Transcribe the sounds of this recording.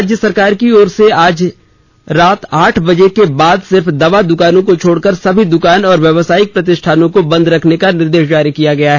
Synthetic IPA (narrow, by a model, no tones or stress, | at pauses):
ad͡ʒjəsɐɾkaːɾkiɔːɾseaːd͡ʒ | ɾaːt̪aːʈʰbɐd͡ʒekebaːd̪sɪɾfd̪ɐʋad̪ʊkaːnõkot͡ʃʰoːɽkəɾsɐbʱid̪ʊkaːnɔːɾʋjɐʋsaːɪk̚pɾɐt̪̬ɪʃʈʰaːnõkobɐ̃nd̪ɾɐkʰnekanɪɾd̪eːʃ̬d͡ʒaːɾikijaɡɐjaɦɛ